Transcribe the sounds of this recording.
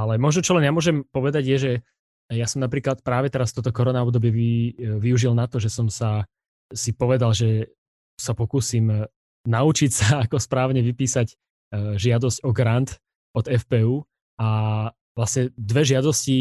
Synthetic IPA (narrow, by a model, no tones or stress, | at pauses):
alɛmɔʒnɔt͡ʃɔlɛnjamʊɔʒɛmpɔʋɛd̪aɟjɛʒɛ | jasɔmnapɾiːklat̪̚pɾaːʋɛt̪ɛɾasft̪ɔːt̪ɔkɔɾɔnaɔbd̪ɔbɪjɛʋiʋiuʒilnat̪ɔʒɛsɔmsa | sipɔʋɛd̪alʒɛ | sapɔkuːsim | naut͡ʃicsaːkɔspɾaːʊɲɛʋipiːsaɟ | ʒɪad̪ɔscɔɡɾant̪ | ɔd̪ɛfpɛːuː | a | ʋlasɲɛd̪ʋɛʒɪad̪ɔsci